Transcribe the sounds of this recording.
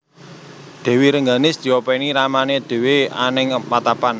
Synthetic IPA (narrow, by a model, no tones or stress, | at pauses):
d̪̥e̤wiɾəŋɡanɪsd̪̥i̤openiɾamaned̪̥e̤wea̰nɪŋpat̪apan